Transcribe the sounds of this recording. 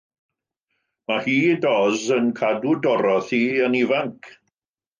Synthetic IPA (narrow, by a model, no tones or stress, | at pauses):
mahiːdɔzənkʰadudɔɾɔθiənivaŋkʰ